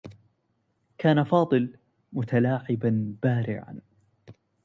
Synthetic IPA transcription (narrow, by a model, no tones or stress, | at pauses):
kʰaːnafɑːd̪ˤɨl | mʊt̪alaːʕɪbanb̥aːɾɪ̰ʕa̰n